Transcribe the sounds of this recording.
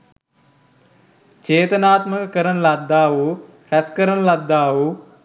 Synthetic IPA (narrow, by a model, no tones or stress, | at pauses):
t͡ʃeːt̪ənaːt̪məkəkəɾənəlad̪ːaːʋukɾɛskəɾənəlad̪ːaːʋu